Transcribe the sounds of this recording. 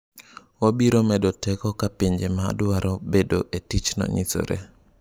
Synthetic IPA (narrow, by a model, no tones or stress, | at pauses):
wabiɾomɛdotɛkɔkapiɲd͡ʒema̰ːdʊaɾɔbedoʔetit͡ʃnɔ̰ɲḭso̰ɾḛ